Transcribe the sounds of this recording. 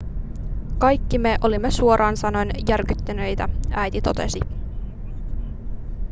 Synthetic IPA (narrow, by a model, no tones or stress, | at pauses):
kɑjkːimeʔo̞limːesuo̞ɾʔɑːnsɑno̞jnjærkyt̪ːænø̞jt̪ææjt̪it̪o̞t̪e̞̰si